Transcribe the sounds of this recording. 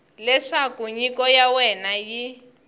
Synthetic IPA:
lɛʂakuɲikɔjawɛnaji

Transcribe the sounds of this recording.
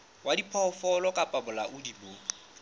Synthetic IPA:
wadipʰɔfɔlɔkʼapʼabʊlaʔʊdiboː

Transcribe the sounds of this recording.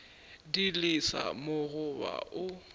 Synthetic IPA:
dilisa̰moɣʊba̰ʔʊ

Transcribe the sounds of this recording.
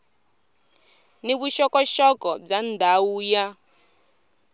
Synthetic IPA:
niβuʃɔkɔʃɔkɔb͡ʐandʱauːja

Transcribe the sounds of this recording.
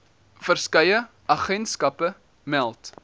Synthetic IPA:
fərskɐjə | ɐχɛntskɐpə | mɛlˠt

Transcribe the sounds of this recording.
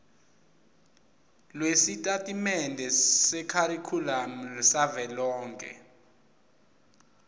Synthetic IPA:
lwesitʼatʼimɛndʱɛsɛkʰaɾikʰulam̩lsavɛlɔːŋkʼɛ̰

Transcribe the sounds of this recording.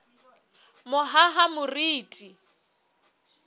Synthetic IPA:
mʊɦaɦamʊriːtʼi

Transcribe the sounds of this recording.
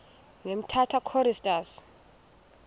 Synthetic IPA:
ŋem̩tʰatʰakʰɔɾistʼas

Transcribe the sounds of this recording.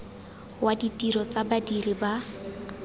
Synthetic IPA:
waditʼiɾɔt͡sabadiriba

